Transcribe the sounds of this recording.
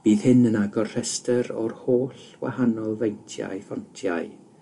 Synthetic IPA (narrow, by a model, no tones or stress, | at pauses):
b̥iːðhɪnənaɡɔrr̥ɛstəɾɔrhoːɬwa̰hanɔlˠvejntʰja̰ɨfɔntʰjaɨ